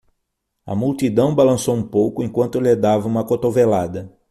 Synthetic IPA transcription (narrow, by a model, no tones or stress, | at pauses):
ɐ̰mult̪id̪ɐ̃w̃balɐ̃sowũpowkʊẽŋkwɐ̃nt̪ʊled̪avɐũmɐkot̪ovelad̪ɐ